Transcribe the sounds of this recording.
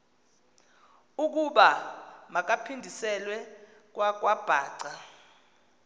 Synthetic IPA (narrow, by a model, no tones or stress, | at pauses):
uk̬uɓamak̬apʰindʱisɛlwɛ | k̬wak̬wab̥ʱaːǀa